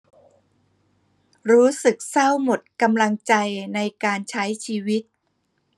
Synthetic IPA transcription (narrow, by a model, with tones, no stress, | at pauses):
ɾuː˦˥sɯ˨˩k̚sa˥˩wmo˨˩t̪̚ka˧mla˧ŋt͡ɕa˧jna˧jkaː˧nt͡ɕʰa˦˥jt͡ɕʰiː˧wi˦˥t̪̚